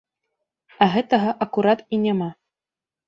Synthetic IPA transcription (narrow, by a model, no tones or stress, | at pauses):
aɣɛt̪ɐɣɐʔɐkuɾat̪inʲama